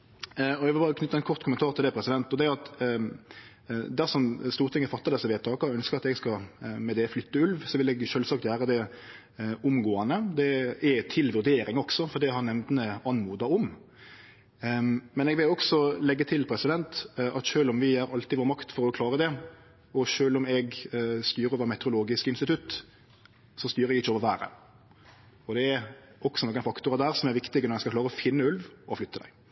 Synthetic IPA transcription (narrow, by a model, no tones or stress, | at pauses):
ɔɛɡʋɪlbɑːʁəkʰnʏt̪ːəɛnkʰɔʁt̪kʰʊmənt̪ʰɑːɾt̪ʰɪld̪ɛpʰɾɛsɪd̪ɛnt̪ɔd̪ɛɑt̪ | d̪æʁʂɔmst̪uːɾt̪ɪŋːəfɑt̪ːɑʁd̪ɛsːəʋeːt̪ʰɑːkəɔœnskəɾɑt̪ɛɡskɑmɛd̪ɛflʏt̪ːəʉlʋsɔʋɪlɛɡʃœːlsɑk̚t̪jæːɾəd̪ɛ | ʊmɡoːɑnəd̪ɛæt̪ʰɪlʋʉɾd̪eːɾɪŋɔksɔfɔʁd̪ɛhɑnɛmd̪nəɑnmuːd̪ɑɔm | mɛnɛɡʋɪlɔksɔlɛɡːət̪ʰɪlpʰɾɛsɪd̪ɛnt̪ʔɑt̪ʃøːlɔmʋɪæɾɑlt̪ɪʋoːɾmɑkt̪fɔɾɔkʰlɑːɾəd̪ɛ | ɔʃøːlɔmɛɡst̪yːɾəɾoːʋəɾmɛt̪əɾʊloːɡɪskəɪnst̪ɪt̪ʰʉt̪ː | sɔst̪yːɾəɾɛɡɪçːoːʋəɾʋæːɾə̰ | ɔd̪ɛæɾɔksɔnɔɡəɛnfɑkt̪ʊɾɑd̪æːɾsɔmæɾʋɪkt̪ɪɡənɔɾɛskɑklɑːɾəɔfɪnːəʉlʋɔflʏt̪ːəd̪æ̰ɪ